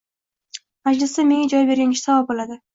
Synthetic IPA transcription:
mad͡ʒlɪsɪme̞ŋʲad͡ʒɒjbe̞ɾɡʲaŋɪʃsavabolad̪ɪ

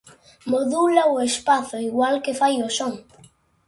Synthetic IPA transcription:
moðulaoespaθʊiɣwalkefajosoŋ

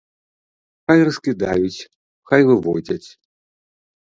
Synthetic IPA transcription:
xajrɐskʲid̪ajut͡sʲ | xajvɨvɔd͡zʲɐt͡sʲ

